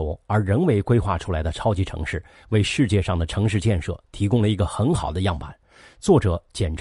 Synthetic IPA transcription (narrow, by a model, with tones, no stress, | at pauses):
ʊə˞˧˥ɻə˧˥nwe˧˥ɪkwe˥ɪxwa̰˥˩ʈ͡ʂʰu˥la˧˥ɪd̪ə˧ʈ͡ʂʰɑ˥ʊt͡ɕi˧˥ʈ͡ʂʰɤ̰˧˥ŋʂɻ̩˥˩ | we˥˧ɪʂɻ̩˥˧t͡ɕjɛ˥˧ʂɑ˥˩ŋd̪ə˩ʈ͡ʂʰɤ˧˥ŋʂɻ̩˥˧t͡ɕjɛ˥˧nʂɤ̰˥˩t̪ʰi˧˥kʊ˥ŋlə˨i˧˥ɡə˧xə˧˥nxɑ˨˩ʊd̪ə˦jɑ˥˩ŋpa˨˩˦n | t͡swɔ˥˩ʈ͡ʂɤ˨˩˦t͡ɕjɛ˨˩nʈ͡ʂ